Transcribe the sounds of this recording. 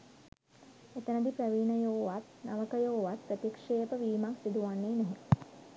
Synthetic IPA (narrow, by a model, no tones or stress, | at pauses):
et̪ənəd̪ipɾəʋiːnəjoːʋat̪naʋəkəjoːʋat̪̚pɾət̪ikʂeːpəʋiːmaksid̪uʋanːeːnɛɦe